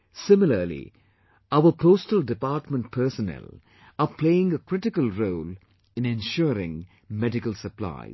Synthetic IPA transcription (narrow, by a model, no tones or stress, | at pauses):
sɪmɪləlḭ | aʊəpʰoːstəldɪpaːʈmə̃nʈ̚pʰəːsənɛ̰l | əpʰleːɪ̃ŋəkɾɪʈɪkəlɾoːl | ɪ̃nɛ̃nʃɔːɾɪ̰̃ŋ | mɛɖɪkəlsəpla̰ɪ